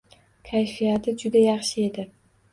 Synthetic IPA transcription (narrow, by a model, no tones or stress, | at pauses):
kʲʰajfijat̪ʰɪd͡ʒʊd̪ajɑχʃɪe̞d̪ɪ